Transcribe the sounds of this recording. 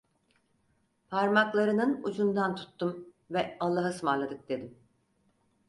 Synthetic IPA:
pʰaɾmaklˠaɾɯnɯnud͡ʒund̪ant̪ʰu̥t̪ːum | vɛalˠːaɦasmalˠad̪ɯk̚d̪e̞d̪im

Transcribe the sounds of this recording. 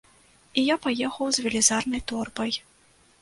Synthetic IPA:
ijapajɛxɐwzvʲɛlʲizarnɐjt̪ɔrbɐj

